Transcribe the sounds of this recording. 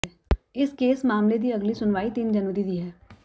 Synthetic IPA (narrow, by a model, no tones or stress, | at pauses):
ɪskeːsmaːmled̪iːəɡlisʊnʋaːit̪iːnd͡ʒənʋəɾid̪iːɦɛː